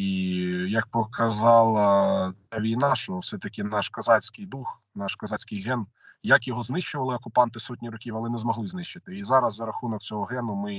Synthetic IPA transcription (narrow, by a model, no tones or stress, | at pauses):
ijɐk̚pɔkʰɐzɑlˠɐaʋʲijnɑʃɔwsɛt̪ɐkʲɪnɑʃkɐzɑsʲkɪjd̪ux | nɑʃkɐzɑsʲkɪjɦɛn | jɐkjɔɦɔznɪʃt͡ʃʊʋɐlˠɪɔkʊpɑnt̪ɪsɔtʲnʲiɾɔkʲiwɐlˠɪnɛzmɔɦlˠɪznɪʃt͡ʃːɪt̪ɪizɑɾɐzːɐɾɐxunɔk̚t͡sʲɔɦɔɦɛnʊmɪ